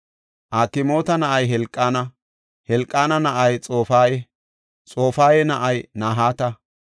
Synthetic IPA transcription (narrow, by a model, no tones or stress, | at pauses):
ʔaːkːɪmo̞ːt̪ɐnɐʔɐjɦɛlkʼːaːnɐ | hɛlkʼːaːnɐnɐʔɐjt͡sʼo̞ːfaːjɛ | t͡sʼo̞ːfaːjɛnɐʔɐjnaːɦaːt̪ɐ